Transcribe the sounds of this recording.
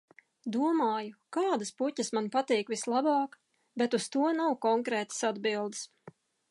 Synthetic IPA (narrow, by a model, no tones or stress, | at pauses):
d̪uɔmɑːjukaːd̪aspucəsmanpat̪iːkʋislˠabɑːk | bet̪ust̪uɔnawkɔŋkɾɛːt̪ə̥sad̪bilˠd̪s